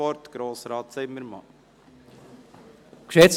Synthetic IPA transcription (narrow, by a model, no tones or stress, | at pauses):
ɔɾt̪ɡ̥ɾoːsɾɑːt̪sɛɪməɾmɑ̰ | kʃɛs